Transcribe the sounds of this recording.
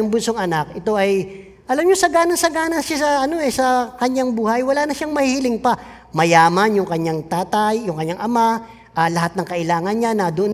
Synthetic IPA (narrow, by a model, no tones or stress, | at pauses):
ʊŋbʊnsoŋɐnakʔɛt̪o̞ʔɐj | ʔɐlamɲosɐɡaːnɐnsɐɡaːnɐnʃasɐɐno̞ɛsɐkɐɲːaŋbuːhɐjwɐlaːnɐʃaŋmɐhihlɪŋpɐ | mɐjaːmɐnjʊŋkɐɲːaŋt̪aːt̪ajːʊŋkɐɲːaŋʔɐma | ʔɐlɐɦat̪̚nɐŋkɐʔɪlaːŋɐnɲanɐd̪ʊon